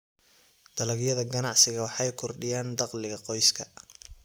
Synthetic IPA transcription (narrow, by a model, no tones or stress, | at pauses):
d̪̥ɐlɐɣjɐðɐɡɐnɑʕsɪɣɐwɑħɑjkʰʊrɖɪjaːnd̪ɑqlɪɣɐqɔjskʰɐ